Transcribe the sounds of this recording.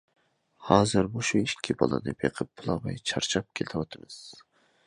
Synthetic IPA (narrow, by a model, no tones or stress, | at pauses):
hɑːzɨɾbuʃuiʃkʲʰːibɑ̰lˠɨ̰d̪ɪpjeqʰəp̚ːʊlˠɑvɛ̰jt͡ʃʰɑɾt͡ʃʰɑp̚kʲʰelt̪ʰɨwɑt̪ʰɨmɨz̥